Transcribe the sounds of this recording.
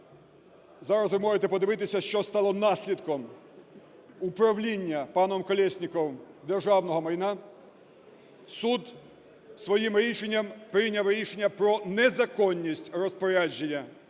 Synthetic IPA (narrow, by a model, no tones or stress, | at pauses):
zɑɾɐsʋɪmɔʒet̪ɛpɔd̪ɪʋɪt̪ɪsʲɐʃt͡ʃɔst̪ɑlˠɔnɑsʲlʲid̪kɔm | upɾɐwlʲinʲːɐpɑnɔmkɔlʲɛsʲnʲikɔwd̪erʒɑwnɔɦɔmɐjnɑ | sud̪ | sʋɔjimɾʲiʃenʲːɐmpɾɪnʲɐwɾʲiʃenʲːɐpɾɔnɛzɐkɔnʲːisʲtʲrɔspɔɾʲad͡ʒenʲːɐ